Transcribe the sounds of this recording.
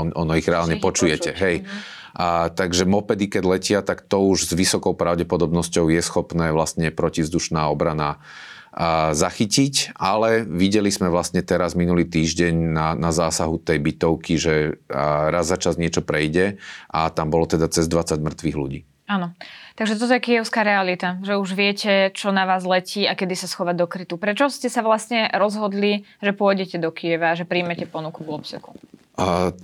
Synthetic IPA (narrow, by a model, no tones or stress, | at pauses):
ɔnɔiɣɾɛalɲɛpɔt͡ʃujɛcɛɦɛj | t̪aɡʒɛmɔpɛd̪ikɛɟlɛcɪat̪akt̪ɔuʒzʋisɔkɔʊpɾaʊɟɛpɔd̪ɔbnɔscɔʊjɛsxɔpnɛːʋlast̪ɲɛpɾɔcivzd̪uʃnaːɔbɾana | zaxicicalɛʋiɟɛlizmɛʋlast̪ɲɛt̪ɛɾazminuliːt̪iːʒɟɛɲnanazaːsaɦut̪ɛjbit̪ɔʊkiʒɛ | ɾazat͡ʃazɲɪɛt͡ʃɔpɾɛjɟɛʔat̪ambɔlɔt̪ɛd̪at͡sɛzd̪ʋat͡saɟmr̩t̪ʋiɣlṵɟḭː | anɔt̪aɡʒɛt̪ɔt̪̬ɛkiɛʊskaːɾɛalit̪aʒɛuʒʋɪɛcɛt͡ʃɔnaʋaːzlɛciːakɛd̪isasxɔʋad̪ɔkɾit̪upɾɛt͡ʃɔscɛsaʋlasɲɛɾɔzɦɔd̪liʒɛpʊɔjɟɛcɛd̪ɔkijɛʋaːʒɛpɾiːmɛcɛpɔnukuɡɔpsɛku̥